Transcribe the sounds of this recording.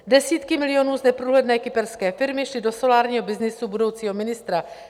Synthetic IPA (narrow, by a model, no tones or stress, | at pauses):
dɛsiːt̪kɪmɪlɪjo̞nuːznɛpɾuːlɛdnɛːkɪpɛɾskɛːfɪɾmɪʃlɪdo̞so̞laːɾɲiːɦo̞bɪznɪsubudo̞wt͡siːɦo̞mɪnɪst̪ɾa